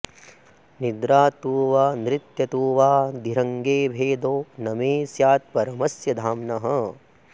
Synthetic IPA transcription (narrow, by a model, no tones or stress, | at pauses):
nid̪ɾaːt̪uːʋaːnɾit̪jɐt̪uːʋaːd̪ʱiɾɐŋɡeːbʱeːd̪oːnɐmeːsjaːt̪̚pɐɾɐmɐsjɐd̪ʱaːmnɐɦɐ̆